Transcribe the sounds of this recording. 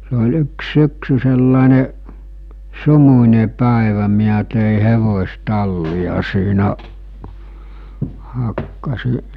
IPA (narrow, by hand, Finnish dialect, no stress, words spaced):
se ol yks syksy selːɑˑene sumunʲe pæˑeʋæ miæ teˑi heʋosʲtɑlːiɑ siːnæ hɑkːɑsi